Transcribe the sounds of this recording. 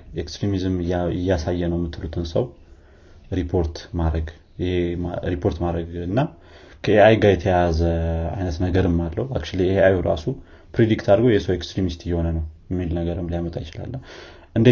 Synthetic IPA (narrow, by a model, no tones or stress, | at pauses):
ʔekst̪ɾimizmɪjːasajːɛnəwmːɨt̪ːɨlut̪ʰɨnsəw | ɾipʰo̞ɾt̪maɾəɡ | jɪheaɾipʰo̞ɾt̪maɾəɡɨnːa | kʰəeajɡajɛt̪ʰəjazəa̰jnət̪nəɡəɾɨmːalːəhuak̚t͡ʃuliɪheajhuɾa̰su | pɾed̪ikt̪ʰaɾɡojɛsəwekst̪ɾimist̪ɨjːɛho̞nənəwjɛmːilnəɡəɾɨmlijamət̪ʼajɪt͡ʃɪla̰lːə | ʔɨnd̪e